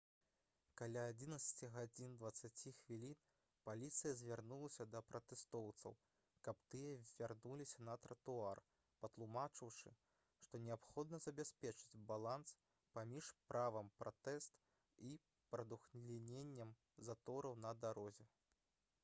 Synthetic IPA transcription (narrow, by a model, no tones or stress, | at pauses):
kalʲaːd͡zʲinɐt̪sɐ̥t͡sʲiɣad͡zʲind̪vɐt̪sːat͡sʲixvʲilʲin | palʲit̪sɨjɐzʲvʲarnulˠɐsʲɐd̪ɐpɾɐt̪ɛst̪ɔwt̪sɐ̰w | kɐp̚t̪ɨjɐvʲarnulʲisʲɐnɐt̪ɾɐt̪uar | pɐt̪lˠumat͡ʂɨwʂɨ | ʂt̪ɔnʲɛapxɔd̪̚nɐzɐbʲasʲpʲɛt͡ʂɨ̥d͡zʲbalˠans | pamʲiʂpɾʔavɐmpɾʔat̪ɛst̪ | i | pɾɐd̪uxʲlʲinʲenʲːɐm | zat̪ɔɾɐwnɐd̪aɾɔzʲɛ